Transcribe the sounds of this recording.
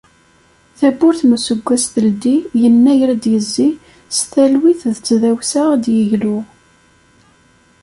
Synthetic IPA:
θæbʊɾθməsəɡʷːæsθəld̪ijənːæjɾæd̪jəzːi | sθælwiθðət͡sːðæwsaʁd̪jəʝlʊʁ

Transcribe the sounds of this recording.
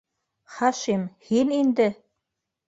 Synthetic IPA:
χɑʃimhinind̪ɘ

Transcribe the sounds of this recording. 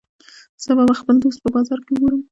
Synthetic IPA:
z̥əbabaxpəld̪ost̪̚pəbɑzɑɾkeʊɡoɾəm

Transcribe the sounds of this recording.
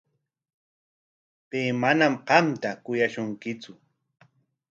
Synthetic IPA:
peːmanamɢɑmt̪akʊjaʃʊŋkɪt͡sʊ

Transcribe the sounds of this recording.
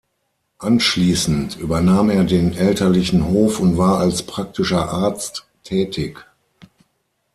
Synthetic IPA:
ʔanʃliːsn̩tʔyːbɐnaːmeːɐdeːnʔɛltʰɐlɪçn̩hoːfʊntv̥aːɐalspʁ̥ak̚tɪʃɐʔaɐt͡stːʰ | ɛːtʰɪk

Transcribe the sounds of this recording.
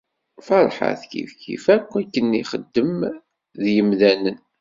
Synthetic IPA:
fɑɾˤħə̰θkḭfçḭfækːækːənːiχəd̪ːəm | ðjəmðænən

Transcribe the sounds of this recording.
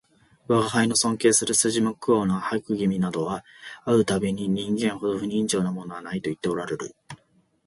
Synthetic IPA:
βaɡaɦaino̞sõ̞ŋke̞ːsɨɾɯ̟sɨʑimokɯonahaikɯ̟ɡʲimʲinad̪o̞βa | aɯ̟t̪abe̞ɲ̟iɲ̟ĩŋɡẽ̞ɰ̃ho̞d̪o̞ɸɯ̟ɲ̟ĩɲd͡ʑo̞ːnamo̞no̞βanait̪o̞it̪ːe̞o̞ɾaɾe̞ɾɯ̟

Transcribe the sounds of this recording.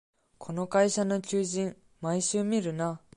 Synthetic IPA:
kʰo̞nokaiɕanot͡ɕɨːʑĩŋ | maiɕɨːmʲiɾɯ̟na

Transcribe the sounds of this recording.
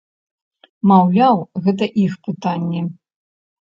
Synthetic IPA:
mawlʲawɣɛt̪̬ɐʔixpɨt̪anʲːɛ

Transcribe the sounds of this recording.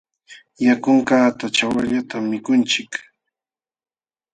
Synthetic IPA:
jakʊŋkaːt̪at͡ʃawaʎat̪amːɪkʊnt͡ʃɪk

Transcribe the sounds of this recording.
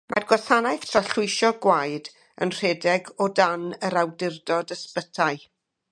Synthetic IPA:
mʔa̰rɡwaθanajθtʰraɬʊɨʃɔɡwajd | ə̰nr̥ɛːdɛɡɔdanəɾawdɪrdɔdəspətʰaɨ

